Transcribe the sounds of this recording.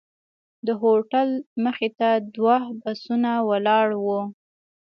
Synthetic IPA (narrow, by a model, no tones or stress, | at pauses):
d̪əɦoʈalməxet̪ad̪wɑhbasunawəlɑɽwu